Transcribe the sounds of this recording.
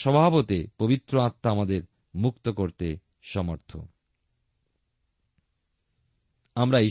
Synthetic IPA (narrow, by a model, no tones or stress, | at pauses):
ʃɔbʱabot̪epobit̪ːɾoat̪ːaamad̪eɾ | mukt̪okoɾt̪e | ʃɔmoɾt̪ʰo̰ | amɾai